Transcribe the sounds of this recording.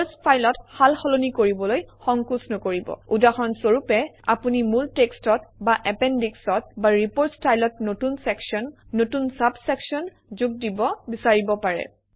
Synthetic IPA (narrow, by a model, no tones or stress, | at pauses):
spʰajlɔthalxɔlonikoɹibɔlojxɔŋkusnɔkoɹibɔ̰udaxɔnsoɹupɛa̰punimultekstɔt̚baʔɛpɛndiksɔt̚baɹipoɹstajlɔtnotunsɛksɔnːotunsabsɛksɔn | zʊɡ̚dibɔbisaɹibɔpaɹɛ̰